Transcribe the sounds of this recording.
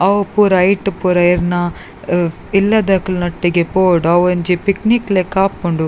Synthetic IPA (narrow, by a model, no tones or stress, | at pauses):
ɐʋpuːɾɐɐjʈpuɾɐjiɾnɐ | ilːɐd̪ɐklnɐʈːiɡepoːɽɐʋɐnd͡ʒipikniklekaːp̚koɳɖu